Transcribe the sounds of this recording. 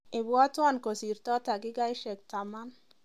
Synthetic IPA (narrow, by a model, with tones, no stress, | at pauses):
ɪ˨bwɔ˦twa˦˨nko˨si˨ɾtɔ˦ta˨ɡɪ˦ɡa˦jʃɛ˨k̚ta˨ma˦n